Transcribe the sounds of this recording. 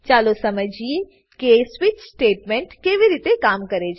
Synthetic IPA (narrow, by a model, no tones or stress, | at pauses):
t͡ʃaːlosɐməd͡ʒi | keːsʋɪt͡ʃsʈeːʈmẽɳʈkeːʋiɾiːt̪ekaːmkɐɾed͡ʒ